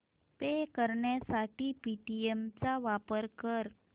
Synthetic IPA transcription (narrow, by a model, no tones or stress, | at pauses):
pekəɾɳjasaʈipiʈiemt͡saʋapəɾkəɾ